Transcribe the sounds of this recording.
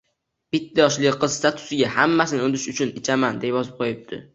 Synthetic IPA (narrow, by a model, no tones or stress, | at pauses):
b̥ɪt̪ʰːajɒʃlɪqɨz̥st̪at̪ʰʊ̥sɪɡʲahamːasɪnɪond̪ɪʃʊt͡ʃʰʊnɪt͡ʃʰamand̪epjɒzɪp̚qʰojɪp̚d̪ɪ̰